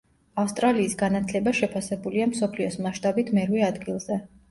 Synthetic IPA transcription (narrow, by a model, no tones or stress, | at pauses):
afst̪ʼɾaliːsɡanat̪ʰlɛbaʃɛpʰasɛbuliamsɔpʰliɔsmaʃt̪ʼabit̪ʰmɛɾwɛad̪ɡilˠzɛ